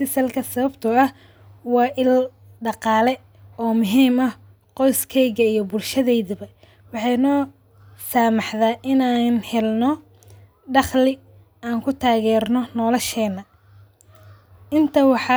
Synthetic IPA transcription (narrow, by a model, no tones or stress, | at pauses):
sɪsɐlkʰɐsɐβɐbt̪ʰʊɐh | wɑːʔɪl | ɖɑqɑːlɛ | ɔːmʊɦiːmɐ | qɔjskʰɛjɣɐijɞbʊlʃɐðɛjðɐβɐ | wɑħɑjnɔː | saːmɑħðaːʔɪnaːnhɛlnɔ | ɖɑχlɪ | aːŋkʰʊt̪ʰaːɣɛːrnɔnɔːlɐʃɛːnːɐ | ʔɪnt̪ʰɐwɑħɑ